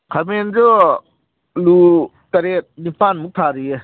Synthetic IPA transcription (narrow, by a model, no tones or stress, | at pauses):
kʰamenzo | lu | kaɾet̪̚nipanmuk̚t̪ʰaɾiɛ